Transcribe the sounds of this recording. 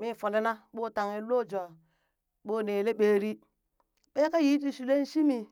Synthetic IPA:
mi˦˨fo˨nde˦na˦ɓo˦˨ta˨ŋe˨˦lo˦˨d͡ʒo˨a˨ | ɓo˦˨ne˨le˦ɓeː˦ɾi˦ | ɓe˦ka˦ji˦t̬i˦˨ʃu˨le˦n̩˦ʃi˦mi˨

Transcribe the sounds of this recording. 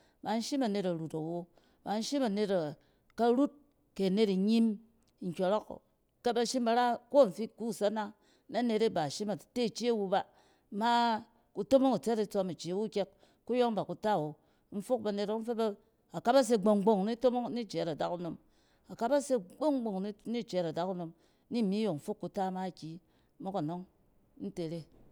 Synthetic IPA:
ba˨n̩˦ʃi˦mɐ˨ne˨tɐ˨ɾu˨ta˨wo˦ | ba˨n̩˦ʃi˦ma˨ne˨ta˨ | ka˦ɾu˦t̚ | ke˨ne˦ti˨ɲi˦m˦ | ŋ̩˨kʲo˨ɾo˦ko̰˨ | ka˦ba˧ʃi˦mba˨ɾa˦ko˦˨n̩˨fi˦ku˦˨sa˦na˦ | na˦ne˧te˦ba˨ʃi˦ma˨te˦˨t͡ʃi˦a˦wu˧ba˦ | ma˦ | ku˦to˦mo˦ŋa˨t͡se˦ti˦t͡so˧mi˨t͡ʃi˨wu˦kʲe˦k̚ | ku˦jo˦ŋba˨ku˨ta˦˨wo˨˦ | n̩˦fu˦k̚ba˧ne˧˦ɾo˦k̩˦fe˦ba˦ | a˨ka˦ba˦s̬e˦ɡ͡bo˨ŋɡ͡bo˨ŋ˨ni˦to˦mo˦ŋni˦˨t͡ʃe˨˦ɾa˨da˨ku˦no˨m | a˨ka˦ba˦se˦ɡ͡bo˦ŋɡ͡bo˨ŋn˦ni˦˨t͡ʃe˨˦ɾa˨da˨ku˦no˨m˦ | ni˦˨mi˦jo˨m̩˦fu˦kːu˨ta˦ma˦˨kʲi˦ | mo˦ko˨no˦ŋ | n̩˦te˨ɾe˦

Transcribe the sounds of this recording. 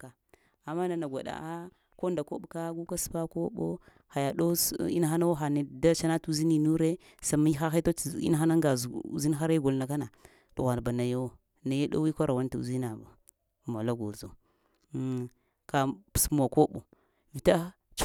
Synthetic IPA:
ka˨ | a˨mːa˦na˨na˨ɡʷa̰˨ɗa̰˨a˦ | ko˦nda˨ko˦ɓka˦ɡu˦ka˦spa˦ko˦ɓo̰˦ | ha˨ja˨ɗo˦ḭ˦na˦˨xa˦na˦wxa˨ne˨da˦t͡ʃa˦na˦tu˦zi˦ni˨nu˦ɾe˦ | sa˨mi˦xa˦xe˦to˦˨ḭ˦na˦˨a˦na˦ŋɡa˨zṵ˨zi˦n˦xa˦ɾe˦ɡo˨lna˨ka˦na˨ | tu˨a˨n˨ba˨na˨ja˦˨ | na˨ja˦ɗo̰˦wi˦ko˦ɾa˨wa˦n˦tu˨zi˦na˨ba̰˨ | ma˨la˦ɡo̰˨zo˨˦ | kḁ˨smo˨ko˦ɓo̰˨ | vi˨ta˦ | t͡ʃ

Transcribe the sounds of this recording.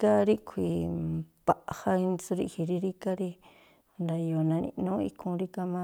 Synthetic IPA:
ka˦ɾi˦kʰʷi˧˨pa˨ʔha˧i˧nt͡su˧ɾḭ˧hi˧ɾi˧ɾi˦ka˦ɾi˧˨ | nd̪a˨jo˨nã˧nḭ̃˧nõ˦ḭ˧kʰũ˧ɾi˦ka˧mã˦˧

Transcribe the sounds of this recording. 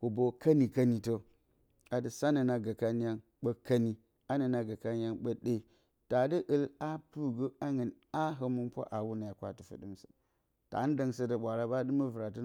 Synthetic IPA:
hu˨bo˨ka˦ni˨ka˦ni˨to˦ | a˨də˨sa˦nə˨na˨ɡə˨ka˦n˦ja˦ŋ | ɓə˦kːa˦ni˦ | a˦nə˨na˨ɡa˨ka˦n˦ja˦ŋɓə˦ɗe˦i˨ | ta˨də˦ʔə˦la˦pu˦ɡə˦a˦ŋə˨n | a˦ɦə˦mu˦mpʷa̰˦ʔa˨wu˦na˨ja˨kʷa˨ti˨fə̰˨dɨ˦msə̥̰˨ | ta̰˨˦n˦da˨ŋsə˦də˨ɓʷa˨ɾa˦ɓa˦dɨ˦mə˦və˨ɾa˨tə˦

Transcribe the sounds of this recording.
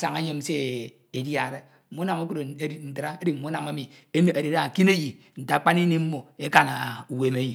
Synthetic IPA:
sa˨ŋa˦ɲe˦mse˦ | e˨dja˨ɾe˦˨ | mu˦na˨mo˦ku˦ɾo˨˦i˨n̩˨ti˨ɾa˦e˦di˨m̩˨mu˦na˨ma˦mi˨ | e˦n˦a˨ɾe˨ɾa˨ki˦ne˦ji˨ | n̩˨ta˨˦k͡pa˦ni˦ni˦m̩˦mo˨e˦ka˨na˨u˨we˨me˦ji˨

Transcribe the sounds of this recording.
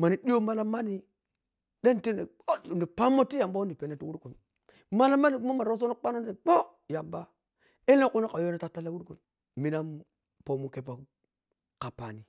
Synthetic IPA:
ma˨ni˨di˦jo˦ma˦la˦ma˦ni˦ | de˦nte˦ne˨ | o˦˨di˨pa˦mo˦ti˦ja˨mba˦wu˦n˦di˨pe˨ne˦tu˦wu˦ɾku˨n | ma˦la˦ma˦ni˨ku˦ma˦ma˨ɾo˦s̬o˦no˦k͡pa˦no˦n˦se˨k͡po˦ | ja˨mba˦ | e˦le˦ku˦na˦ka˨jo˦na˦ta˦ta˦la˦wu˦ɾku˨n | mi˦na˦ | po˨mu˦ke˦pa˨ | ka˨pa̰˨ni˨

